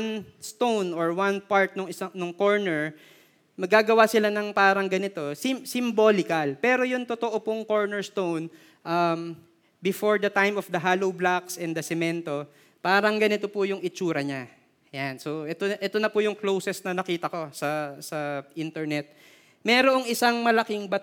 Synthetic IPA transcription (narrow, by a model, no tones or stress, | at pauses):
nst̪ownoɹwanpaɹt̪̚noŋɪsɐŋnʊŋkoɹnɛɹ | mɐɡːaːɡɐwasɪlanɐŋpaːɾɐŋɡɐnɪt̪o̞sɪmsɪmboːlɪkɐlpɛːɾo̞jʊŋt̪ot̪oʔopʊŋko̞ɹnɛɹst̪own | ʔam | bɪfo̞ɹd̪ɐt̪ajmofd̪ɐɦaːlowblaksɛnd̪ɐsɛmɛnt̪o̞ | paːɾɐŋɡɐnɪt̪opʊjʊŋɪt͡ʃuːɾɐɲa | janso̞ʔɛt̪oʔɛt̪onɐpʊjʊŋklowsɛsnɐnɐkiːt̪ɐko̞sɐsɐʔint̪ɛɹnɛt̪̚ | mɛːɾoʔoŋɪsaŋmɐlɐkɪŋbɐ